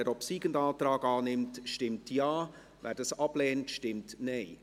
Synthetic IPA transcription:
ɛɾɔpsiːɡ̥əndɑːtɾɑːɡɑːnɪmtʃtɪmtjɑː | væːɾd̥ɑsɑb̥lɛːntʃtɪmtnɛɪ

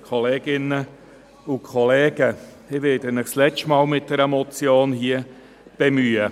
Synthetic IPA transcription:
kʰɔleːɡɪnə | ʊkʰɔleːɡ̥əsɪʋɪːdənɪχslɛt͡ʃtmɑːlmɪt̚d̥ɛɾəmɔt͡sjoːnhiə | b̥emyːə

